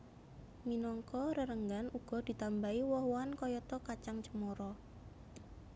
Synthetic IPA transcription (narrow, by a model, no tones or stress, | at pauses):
minɔŋkɔɾəɾəŋɡanuɡ̥ɔ̤d̪̥i̤t̪ambaiwɔhwankɔjɔt̪ɔkat͡ʃaŋt͡ʃəmɔɾɔ